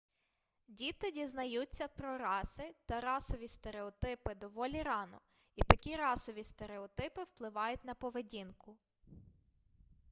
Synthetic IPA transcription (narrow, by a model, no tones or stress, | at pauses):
dʲit̪ɪdʲiznɐjut͡sʲːɐpɾɔɾɑsɪt̪ɐɾɑsɔʋʲist̪eɾeɔt̪ɪpɪd̪ɔʋɔlʲiɾɑnɔ̰ | it̪ɐkʲiɾɑsɔʋʲist̪eɾeɔt̪ɪpɪwplˠɪʋɑjʊtʲnɐpɔʋedʲinkʊ